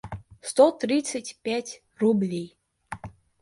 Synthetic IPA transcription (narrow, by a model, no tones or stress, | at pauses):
st̪ɔt̪ɾʲit̪sətʲpʲætʲ | rublʲej